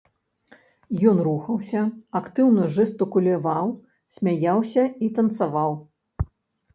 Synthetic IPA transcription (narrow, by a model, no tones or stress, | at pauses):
jɔnruxɐwsʲɐakt̪ɨwnɐʐɛst̪ɨkulʲavaw | sʲmʲajawsʲɐit̪ɐnt̪savaw